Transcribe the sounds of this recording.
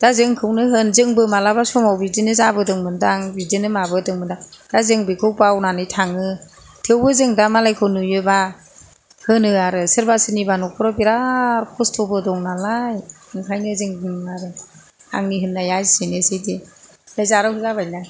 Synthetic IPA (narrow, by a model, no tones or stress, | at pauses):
d̥azɯŋkʰɯwnɯɦɯnzɯŋbɯmalabasɔmawbidinɯzabɯdɯŋmɯndaŋbizinɯmabɯdɯŋmɯndaŋd̥azɯŋbikʰɯwpawnanɯjtʰaŋɯ | tʰewbɯzɯŋdamalajkʰɯnujɯba | hɯnɯaɾɯsɯɾbasɯnibanɔkʰɔɾɔbiɾaɾkʰɔstʰɔbɯdɔŋnalajɯŋkʰajnɯzɯŋdɯŋaɾɯ | a̰ŋniɦɯnːajajsinesidi | ɯjzaɾɯhɯzabajna